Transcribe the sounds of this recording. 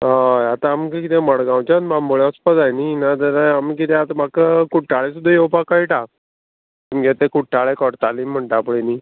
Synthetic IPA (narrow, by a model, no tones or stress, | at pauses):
ɦaat̪ãːmkkit̪ẽməɽɡãwt͡ɕanbamboɭjaəspəd͡zajninat̪̬əɾajamik̬it̪ẽat̪am̤akəkuʈːaɭesud̪ʱːəjewpakaiʈa | t̪emɡet̪ekuʈːaɭekɔʈt̪alim̤ːəɳʈaapɽeni